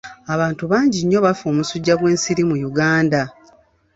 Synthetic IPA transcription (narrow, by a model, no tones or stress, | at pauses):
aβaːntuβaːɲɟiɲːo̞βafo̞ːmusuɟːaɡwe̞ːnsiɾimujuɡaːnda